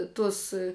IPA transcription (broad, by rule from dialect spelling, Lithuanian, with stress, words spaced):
ˈtʊs